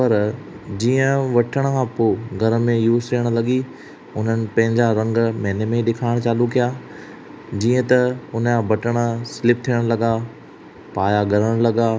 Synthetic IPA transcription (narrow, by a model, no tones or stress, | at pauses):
pɐɾ | d͡ʑiːə̃ʋɐʈʰəɽ̃əkʰãːpoːɡʱɐɾmẽjuːzt̪ʰiːəɽ̃lɐɠi | ʊn̤ənɪ̆pɐ̃ɦɪ̃ɲd͡ʑaɾɐ̃ŋɡmɛ̃ːnemẽɗɪkʰaːɪɽ̃t͡ɕaːlukijaː | d͡ʑĩːə̃t̪ɐʊnəkãːbɐʈəɽ̃ə̆sɪlɪp̚t̪ʰiːəɽ̃lɐɠa | paːjaɡʱɐɾəɽ̃lɐɠaː